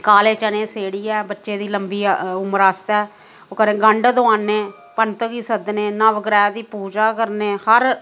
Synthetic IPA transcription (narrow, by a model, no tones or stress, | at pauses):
kaːleːt͡ʃənẽːseːɽiːɛːbətːʃeːd̪iːləmbiːʊməɾaːst̪ɛː | oːkəɾẽːɡəɳɖd̪ʊãːneː | pənt̪əɡiːsəd̪neːnãːʋəɡɾɛːd̪iːpuːd͡ʒaːkəɾneːhəɾ